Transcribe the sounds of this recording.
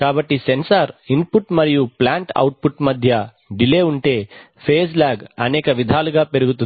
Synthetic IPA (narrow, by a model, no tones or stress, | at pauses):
kaːbɐʈːisensɐɾimpuʈmɐɾijuplaːɳʈɐ̰wʈ̚puʈmɐd̪ʱjɐ | ɖile̞ːuɳʈe̞ː | pʰeːslaːɡɐnɛːkɐʋid̪ʱaːluɡaːpe̞ɾuɡut̪un